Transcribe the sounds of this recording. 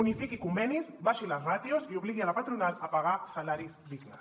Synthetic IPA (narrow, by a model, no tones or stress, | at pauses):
unifikikumbɛnizβaʃilazrat̪juziuβliɣialapat̪ɾunalapaɣasalaɾizβiklas